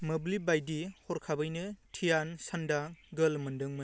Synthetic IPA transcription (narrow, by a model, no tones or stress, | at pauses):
mɐblibajdihɔɾkʰabɯjnɯtʰijansɐndaɡɐlmɐndɯŋmɯ